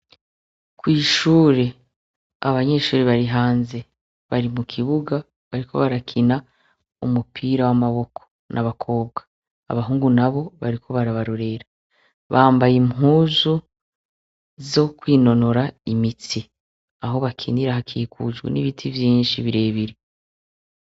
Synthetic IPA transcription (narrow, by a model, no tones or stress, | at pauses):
kwiːʃuːɾe̞ | aβaɲe̞ʃuːɾeβaɾiɦaːnze̞ | βaɾimukʰiβuɡa | βaɾikʰo̞̰βaɾakʰina | ṵmupʰiːɾawamaβo̞kʰo̞̥ | nʔaβakʰo̞ːb̚ɡḁ | a̰βaɦuːŋɡunaβo̞βaɾikʰo̞βaɾaβaɾoɾe̞ɾa | βaːmbajimɦuːzu | zo̞kwiːno̞no̞ɾaimiti | aɦo̞βakʰiniɾahakʰikʰṵd͡ʒɡwḛnḭβitʰivjiːnʃiβiɾe̞ːβiɾe